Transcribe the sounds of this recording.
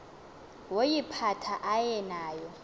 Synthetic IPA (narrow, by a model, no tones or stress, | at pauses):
wojipʰatʰaʔajɛnaːjɔ